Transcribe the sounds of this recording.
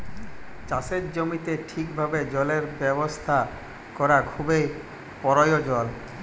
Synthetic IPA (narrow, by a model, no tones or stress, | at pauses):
t͡ɕaseɾd͡ʑomit̪eʈʰikbʱabed͡ʑɔleɾbɛbost̪ʰa | kɔɾakʰubej | pɔɾɔjod͡ʑɔl